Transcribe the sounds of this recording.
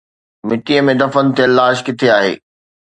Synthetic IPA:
mɪʈiəmẽd̪ɐfənt̪ʰeəlːaːʃkɪt̪ʰeaːɦḛː

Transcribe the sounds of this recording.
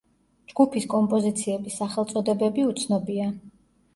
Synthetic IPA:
d͡ʒɡ̥upʰiskʼɔmpʼɔzit̪sʰiɛbisːaχɛlˠt̪sʼɔd̪ɛbɛbiut̪sʰnɔbia

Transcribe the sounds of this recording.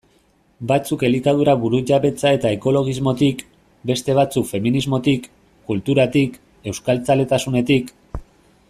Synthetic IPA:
bat͡suke̞likaðuɾaβuɾuʝaβe̞t͡sae̞t̪ae̞ko̞lo̞ɣ̞izmo̞t̪ik | be̞st̪e̞β̞at͡sukfe̞minizmo̞t̪ikː | ult̪uɾat̪ik | e̞wskalt͡sale̞t̪asune̞t̪ik

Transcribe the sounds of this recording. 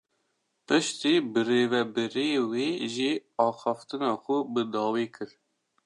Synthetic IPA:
pɨʃt̪iːbɨreːvɛbɨɾijewiːʒiɑːxɑft̪ɨnɑːxʷʊbɨd̪ɑːwiːkʰɨɾ

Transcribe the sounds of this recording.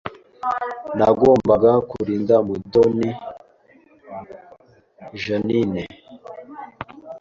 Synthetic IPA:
naɡoːmbaɡakuɾiːndamudoni | ʒanine

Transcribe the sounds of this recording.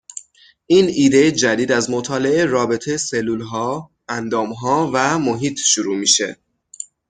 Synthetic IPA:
ʔiːniːd̪e̞jed͡ʒæd̪iːd̪æzmot̪ʰɒːle̞ʔeɾɒːbe̞t̪ʰejeselːuːlɦɒː | ænd̪ɒːmɦɒːvæmo̞ɦiːt̪ʰʃuɾuːmḭːʃe̞̰

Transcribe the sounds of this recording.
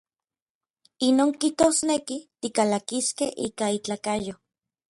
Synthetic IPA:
inoːŋkiht̪osnekit̪ikalakiskehḭːkait͡ɬakajo

